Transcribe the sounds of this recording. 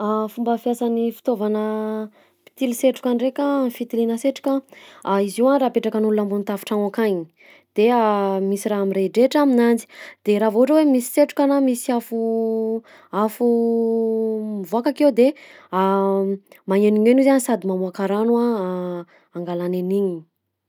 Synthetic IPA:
afumbəfjasanifi̥t̪ovanə | pi̥t̪iliseʈ͡ʂu̥kʲanrekʲafit̪ilinəseʈ͡ʂu̥kaaiziwanraːpeʈ͡ʂakənulunambunt̪afi̥ʈ͡ʂaŋakaɲi̥ | d̪̥eamisiɾaɦamiɾeiɖ͡ʐeʈ͡ʂaminant͡si̥d̪̥eɾavoɦuʈ͡ʂəwemisi̥seʈ͡ʂu̥kanamisiafu | afu | mvuakakewd̪ea | maŋeniɲenizansad̪imamuakaɾanuaː | ŋɡalaneniɲi

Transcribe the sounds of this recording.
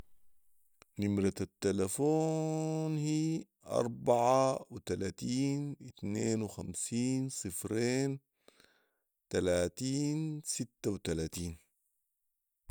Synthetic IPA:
nimɾat̪at̪ːalafoːnhiː | ʔɑ̰ɾˤbaʕawit̪alaːt̪iːnʔit̪neːnwɪxamsiːnsˤɨfɾeːn | t̪alaːt̪iːnsit̪ːawt̪alaːt̪iːn

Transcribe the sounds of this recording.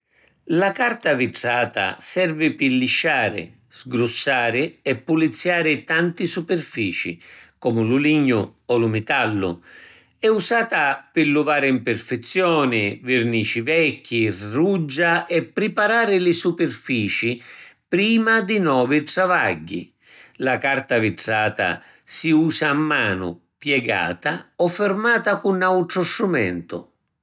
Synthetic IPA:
lakart̪aviʈɾaːt̪a̰sɛrvɪpɪlːiʃːaːɾɪ̰ | z̥ɡɾusːaːɾɪɛpːulit̪sːjaːɾɪt̪ant̪isupɪrfiːt͡ʃḭkɔːmʊlʊliɲːʊɔlʊmɪt̪alːʊ̰ | ɛusaːt̪apɪlːuvaːɾɪimpɪrfɛt̪sːjɔːnɪvɪrniːt͡ʃivɛkːirud͡ʒːaʔɛpːɾɪpaɾaːɾɪlɪsupɪrfiːt͡ʃipɾiːmad̪ɪnɔːvit̪ɾavaɟːḭ | lakart̪avɪtsaːt̪a̰ | siuːsaːmːaːnʊ̰ | pjɛɡa̰ːt̪aɔfːɪrmaːt̪akunawt̪ɾʊsːumɛnt̪ʊ̰

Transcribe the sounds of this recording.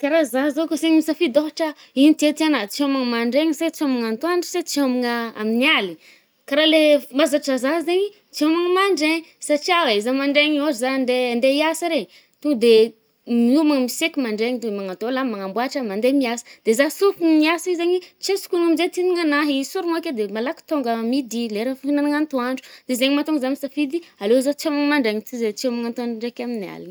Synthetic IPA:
kaɾazazokoseɲmisafid̪oaʈ͡ʂə | init̪et̪ianat͡siomaŋmaɳɖ͡ʐeɲset͡siomaŋant̪uaɳʈ͡ʂi̥set͡siomaŋəa̰miniali | kaɾalemazaʈ͡ʂazaɦzeɲi | t͡siomaŋəmaɳɖ͡ʐeɲsaʈ͡ʂiawezamaɳɖ͡ʐeɲiozzand̪end̪eiasaɾeɲi | t̪ud̪e | miumaŋmisekimaɳɖ͡ʐeŋid̪emaŋat̪olamaŋambwaʈ͡ʂəmand̪emiasə̥d̪̥ezasufinmiasizeɲit͡sesu̥kuŋamizet̪iniŋanaɦisuɾuŋokʲed̪emalaki̥t̪oŋɡamid̪ileɾəfinanaŋant̪uaɳɖ͡ʐu̥d̪̥ezeɲimat̪uŋɡzamisafid̪ialozat͡siomaŋmaɳɖ͡ʐeŋit͡s̪izet͡siomaŋant̪uaaɳɖ͡ʐekʲaminia̰liɲi

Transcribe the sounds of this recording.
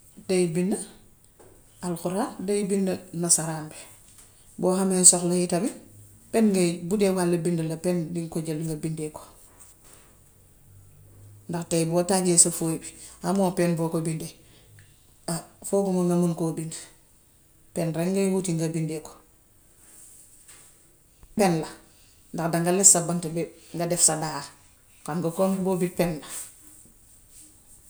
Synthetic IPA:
dejbindɐ | alxuɾaːdejibindɐnasaɾaːnbe | boːɦamensoxlɐjitɐbi | penŋɡɐbudewalːɐbindɐlɐpendiŋkoɟɐlŋɡabindeko̥ | ndaxtejboːtaːɟesɐfoibiamoːpenbokobinde | afoːɡumaŋɡamunkobind | penɾeŋɡajwutiŋɡabindeko̥ | penla | ndakdaŋɡalessabantebeŋɡadefsadaha | kanɡokonbobin̚penla

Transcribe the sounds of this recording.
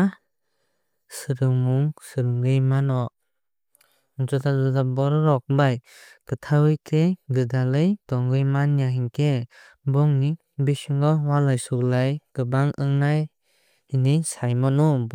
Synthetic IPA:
a | sɯɾɯŋmuŋsɯɾɯŋɡɯjmanɔ | nzɔtʰazɯzabɔɾɾɔk̚baj | kɯtʰawɯjtʰeɡɯdalɯjtɔŋɡɯjmanjaɦiŋkʰe | bɔŋni | bisiŋɡɔwalajsuklajɡ̥ɯbaŋʔɯŋnaj | hinisajmɔnɔ

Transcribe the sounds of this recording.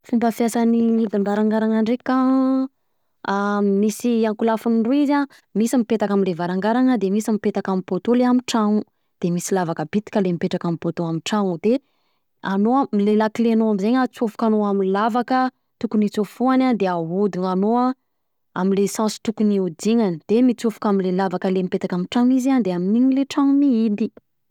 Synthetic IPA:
fumbəfjasaniid̪iɳɖ͡ʐaɾaŋɡaɾaŋaɳɖ͡ʐeka | misiaŋkulafuniɳɖ͡ʐuiza | misimipet̪akaminlevaɾaŋɡaɾanəd̪emisamipet̪akamipot̪oleamiʈ͡ʂaŋu | d̪̥emisilavakəbit̪i̥kʲəlemipeʈ͡ʂakamipot̪oamiʈ͡ʂaŋud̪e | anoamilelaklenoamizeɲat͡sofu̥kʲanoaminlavakə | t̪ukunit͡sofuanand̪eaud̪iŋanoa | amilesãsi̥t̪ukuniud̪iŋanid̪̥emit͡sufu̥kamilelavakəlemipet̪akamiʈ͡ʂaŋizand̪eaminiɲileʈ͡ʂaŋumiid̪i

